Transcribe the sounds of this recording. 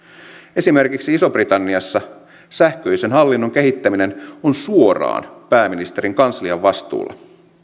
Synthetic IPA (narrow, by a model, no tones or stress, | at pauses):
e̞sime̞rkiksiiso̞brit̪ɑnːiɑsːɑ | sæhkø̞ise̞nɦɑlːinːo̞ŋke̞ɦit̪ːæmine̞nonsuo̞rɑ̰ːnpæːminist̪e̞ɾiŋkɑnsliɑʋːɑst̪ṵːlːʔɑ̰